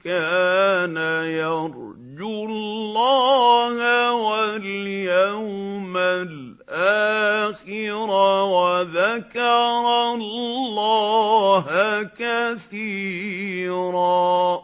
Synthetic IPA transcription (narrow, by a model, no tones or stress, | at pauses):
kaːnajɑɾˤ | d͡ʒʊlːɑːhawaljawmal | ʔaːxɪɾawaðakɑɾˤɑllːɑːɦkaθiː | ɾaː